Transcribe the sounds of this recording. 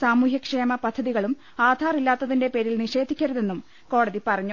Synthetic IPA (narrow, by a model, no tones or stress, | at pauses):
saːmuːɦjɐkʂe̞ːmɐpɐd̪ʱːɐðiɣɐɭum | aːd̪ʱaːrilːaːt̪ːɐðinde̞pe̞ːɾilniʂe̞ːd̪ʱikʲːɐɾuðe̞nːum | ko̞ːɽɐðipɐrɐɲːu